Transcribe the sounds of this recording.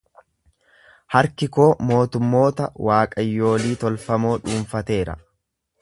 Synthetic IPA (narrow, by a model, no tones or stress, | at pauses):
hɐɾkɪko̞ːmo̞ːt̪ʊmːo̞ːt̪ɐwaːkʼɐjːo̞ːliːt̪ɔlfɐmo̞ːᶑuːɱfɐt̪e̞ːɾɐ̰